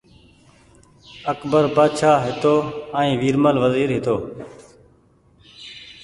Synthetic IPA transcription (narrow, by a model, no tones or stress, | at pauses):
əkbəɾpaːd̪ʃaːɦɪt̪oːəːĩːʋiːɾməlʋəziːɾɦɪt̪oː